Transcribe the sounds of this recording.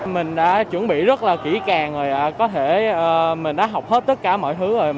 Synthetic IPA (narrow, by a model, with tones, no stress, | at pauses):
mï˨˩ŋ̟ɗa̰ː˧˥t͡ɕwə˧˩nɓḭ˧˨zə˦˥t̚laː˨˩ki˧˩kaː˨˩ŋzo˨˩jʔaː˨˩kɔ˨˦t̪ʰe˧˩ʔəː˨˩mï˨˩ŋ̟ɗa̰ː˧˥ɦa˨˩wk͡p̚he˦˥t̚t̪ə˦˥t̚kaː˧˩mɔ̰˧˨jt̪ʰɨ˨˦o˨˩j